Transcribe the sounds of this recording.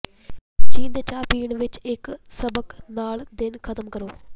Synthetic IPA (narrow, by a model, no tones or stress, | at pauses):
t͡ʃĩːnd̪t͡ʃaːpiːɳʋɪt͡ʃɪksəbəknaːld̪ɪnkʰət̪əmkəɾoː